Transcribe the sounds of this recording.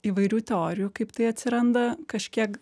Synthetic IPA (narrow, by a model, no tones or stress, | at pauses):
iːʋɐɪɾʲuːt̪ʲɛoːɾʲɪjuːkɐɪpt̪ɐɪɐt̪ʲsʲɪɾɐnd̪ɐkɐʃʲkʲiɛk